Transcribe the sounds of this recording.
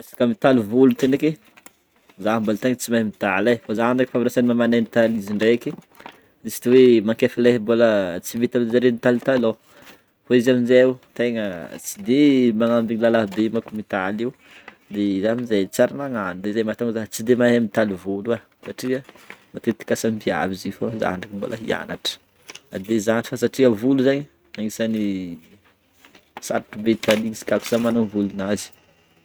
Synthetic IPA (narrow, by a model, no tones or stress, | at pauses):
asḁkamit̪aluvulut̪eneke | zambolt̪eŋət͡simajmit̪alajfozanikifamiɾasanimamanenit̪aliziɳɖ͡ʐeki | isi̥t̪iwemaŋkefileɦbolət͡simit̪aminzaɾenit̪alit̪alo | foizaminzewut̪eŋət͡sid̪emaŋambiɲilalaɦb̪emakumit̪aliu | d̪ezaminzajt͡saɾanaŋand̪ezajmat̪aŋzaɦt͡sid̪emaɦamit̪alivula | saʈ͡ʂiə | mat̪et̪i̥kʲasambia̰vizifoza̰ɳɖ͡ʐakibo̰lʔa̰ɦḭa̰naʈ͡ʂə̥ | ad̪ezanifasaʈ͡ʂiəvuluzaɲi | aŋisani | sa̰ɾtubet̪aliɲisi̥kʲaku̥z̥amananvulunazi̥